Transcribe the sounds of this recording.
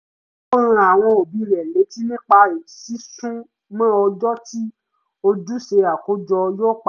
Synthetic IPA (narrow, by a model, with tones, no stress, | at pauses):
o˦ɾũ˧a˨w̃ɔ̃˧o˨bi˧ɾɛ˨le˨˦ti˦nĩ˦k͡pa˧e˨si˨˦sũ˦ | mã˦ɔ˧d͡ʒɔ˦ti˦ | o˧d͡ʒu˦ʃe˧a˨ko˨˦d͡ʒɔ˧jo˦k͡p